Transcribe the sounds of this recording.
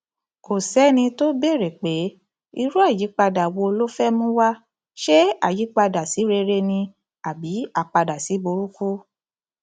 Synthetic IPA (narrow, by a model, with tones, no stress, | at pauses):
ko˨sɛ˨˦nĩ˧to˦be˦˨ɾe˨k͡pe˨˦ | i˧ɾu˦a˦˨ji˨˦k͡pa˧da˨wo˧lo˦fɛ˦mũ˦wa˦ | ʃe˦a˦˨ji˨˦k͡pa˧da˨si˨˦ɾe˧ɾe˧nĩ˧ | a˨bi˨˦a˦˨k͡pa˧da˨si˨˦bo˧ɾu˦ku˦